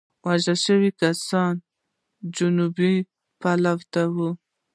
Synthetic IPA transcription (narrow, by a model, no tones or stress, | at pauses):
waʒaʃəwikasɑn | d͡ʒʊnubi | palawt̪awu